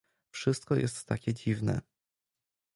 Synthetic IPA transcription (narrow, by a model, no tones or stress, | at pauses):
fʂɘst̪̚kɔjʔɛ̰st̪ːakʲɛd͡ʑivnɛ̰